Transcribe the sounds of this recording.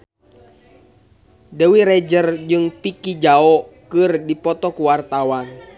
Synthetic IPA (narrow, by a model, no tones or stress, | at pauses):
dəwiɾɛd͡ʒərd͡ʒɨŋpikid͡ʒaɔkɨrdipɔt̪ɔkuwart̪awan